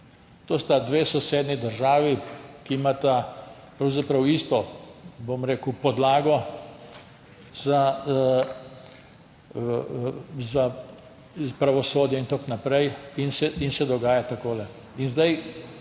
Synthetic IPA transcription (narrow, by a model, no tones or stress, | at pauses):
t̪oːst̪ad̪ʋeːsɔseːd̪nid̪əɾʒaːʋikimat̪a | pɾɐwzapɾɐwist̪ɔbomɾeːkupɔd̪laːɡɔ | za | za | pɾaʋɔsoːd̪jɛint̪oknapɾɛjinsɛinsɛd̪ɔɡaːjat̪akoːlɛ | inzd̪aj